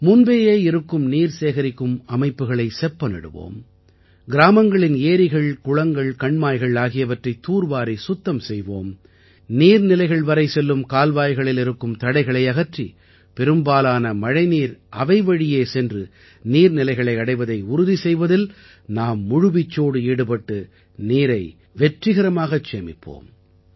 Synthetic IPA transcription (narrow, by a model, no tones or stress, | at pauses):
mʊnbeːjeːɪɾɯkːɯmniːɾseːɣɐɾɪkːɯmɐmɐɪpːɯɣɐɭɐɪsɛpːɐnɛ̰ɽɯ̰ʋo̰ːm | ɡɪɾaːmɐŋɡɐɭɪneːɾɪɣɐɭkʊɻɐŋɡɐɭkɐɳmaːjɣɐɭaːɣɪjɐʋɐʈrɐɪt̪ːuːɾʋaːɾisʊt̪ːɐmsɛjʋo̰ːm | niːɾnɪlɐɪɣɐɭʋɐɾɐɪsɛlːɯmkaːlʋaːjɣɐɭɪlɪɾɯkːɯmt̪ɐɽɐɪɣɐɭɐɪɐɣɐʈri | pɛɾɯmbaːlaːnɐmɐɻɐɪniːɾʔɐʋɐɪʋɐɻɪjeːsɛndrɯ | niːɾnɪlɐɪɣɐɭɐɪɐɽɐɪʋɐðɐɪʊɾʊðisɛjʋɐðɪl | naːmːʊɻʊʋɪt͡ʃːoːɽɯeːɽɯpɐʈːɯ | niːɾɐɪ | ʋɛʈrɪɣɐɾɐmaːɣɐt͡ʃeːmɪpʰːo̰ːm